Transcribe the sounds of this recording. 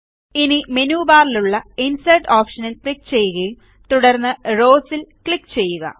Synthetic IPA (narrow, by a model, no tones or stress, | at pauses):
inimenuːbaːɾiluɭːɐinsɐjʈoːpʂɐnilkɭik̚ːt͡ɕe̞jːuɣɐjum | t̪uɽɐrnːɨro̞ːsilkɭikːt͡ɕe̞jːuɣɐ̰